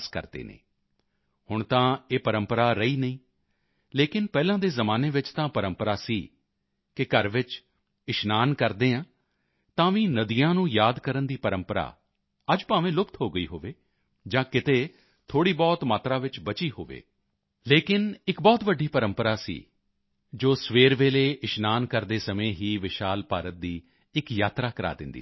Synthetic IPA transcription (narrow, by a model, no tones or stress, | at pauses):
skə̰ɾd̪ḛːnḛː | hʊɳt̪ãːeːpəɾəmpəɾaːɾəiːnəĩː | leːkɪnpɛːlãːd̪eːzəmaːneːʋɪt͡ʃt̪ãːpəɾəmpəɾaːsiː | kɪkəɾʋɪt͡ʃ | ɪʃnaːnkəɾd̪eːãː | t̪ãːʋĩːnəd̪ijãːnũːjaːd̪kəɾənd̪iːpəɾəmpəɾa̰ː | əd͡ʒpaːʋẽːlʊkt̪ɦoːɡəḭːɦo̰ːʋeː | d͡ʒãːkɪt̪eː | t̪ʰoːɽiːbɔːt̪maːt̪ɾãːʋɪt͡ʃbət͡ʃiːɦo̰ːʋḛː | leːkɪnɪkbɔːt̪ʋəɖːiːpəɾəmpəɾaːsḭː | d͡ʒoːsʋeːɾʋeːleːɪʃnaːnkəɾd̪eːsəmẽːɦiːʋɪʃaːlpaːɾət̪̚d̪iː | ɪkjaːt̪ɾaːkəɾa̰ːd̪ɪ̰nd̪ḭː